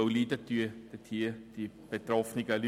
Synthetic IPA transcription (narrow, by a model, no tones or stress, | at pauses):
oliːdət̪yɐd̥ət̪ʰiːɐd̥i | b̥et̪rɔfnɪɡəly